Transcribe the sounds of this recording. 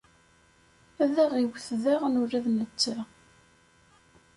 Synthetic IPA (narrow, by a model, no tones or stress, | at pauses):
æðæʁiwθðæʁnʊɾæðnət͡sːa